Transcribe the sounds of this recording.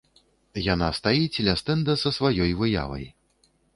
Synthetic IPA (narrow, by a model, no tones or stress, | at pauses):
janast̪ajit͡sʲilʲast̪ɛnd̪ɐsɐsvajɔjvɨja̰vɐ̰j